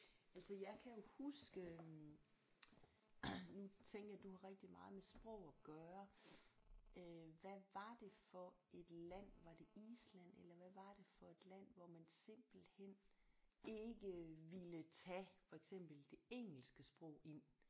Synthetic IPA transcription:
ælsəjɑ̈ɪkʰæjo̝husɡ̥ə | nut͡sʰeŋ̰ɡ̥ɐjɑd̥uhɑ̈ʁɛɡ̥̚d̥imɑ̈ːð̞̩ˠmesb̥ʁɔʊ̰æɡ̥ɶːɐ | ʋæʋɑ̈d̥e̝fɒ̽ | e̝d̥læn̰ʋɑ̈d̥e̝iːslæn̰elɐʋæʋɑ̈ɾ̥e̝fɒ̽e̝d̥læn̰ʋɒmænse̝m̰b̥l̩hen̰ | e̝ɡ̥əʋilət͡sʰæfɒ̽eɡ̥sem̰b̥l̩d̥e̝eŋ̰l̩sɡ̥əsb̥ʁɔʊ̰e̝n̰

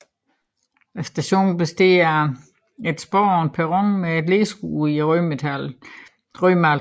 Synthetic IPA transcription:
æsd̥æɕo̝̰ːn̩b̥esd̥e̝ːɐɐ | e̝d̥sb̥ɒ̰ːɒːn̚pʰeʁɔŋmeed̥le̝ːsɡ̥ṵiʁymet͡sʰæl | ʁœmæl

